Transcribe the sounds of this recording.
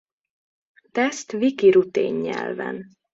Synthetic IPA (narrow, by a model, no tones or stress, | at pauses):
t̪ɛst̪vikiɾut̪eːɲːɛ̰lvɛ̰n